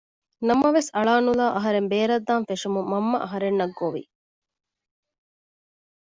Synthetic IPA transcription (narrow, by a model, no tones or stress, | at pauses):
nɐmɐʋesɐɭaːnulaːʔɐɦɐɾembeːɾɐd̪ːaːnfeʂumumɐmːɐ̰ʔɐɦɐɾenːɐɡːoʋḭ